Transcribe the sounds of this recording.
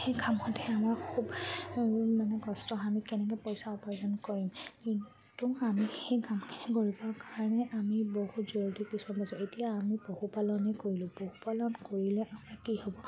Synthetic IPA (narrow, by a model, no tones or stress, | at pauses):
xejɡʱamɔtɛamaɹkʰub | manɛɡɔstɔamikɛnɛk̬ɔpojsaɔpɔɹzɔnkoɹimkin | tuamixejɡʱamkʰi̥niɡoɹibakaɹɔnɛʔamibohuzoɹdipisbabɔsɔetijaːmibohupalɔnɛkoɹilʊ̃bohupalɔnkoɹilɛʔamaɹkihobɔ